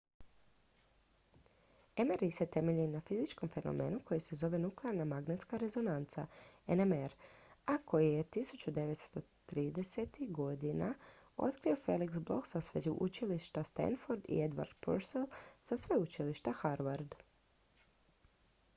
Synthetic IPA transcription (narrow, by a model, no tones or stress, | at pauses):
emeɾiset̪e̞me̞ʎinafizit͡ʃko̞mfe̞no̞̰me̞̰ːnuko̞jise̞zo̞ʋe̞nukleaɾnamaɡnat̪skaɾe̞zo̞nant̪sa̰enemeɾakʰo̞jije̞t̪isut͡ʃud̪e̞ʋe̞t̪st̪o̞t̪ɾiːd̪e̞set̪iɡo̞d̪inao̞̰t̪kɾio̞fe̞liksblo̞̰ksasʋezuʔut͡ʃiliʃt̪ast̪ḛnfoɾd̪ḭed̪ʋa̰ɾd̪̥̚pṵɾselˠsasʋeut͡ʃiliʃt̪axaɾʋaɾd̪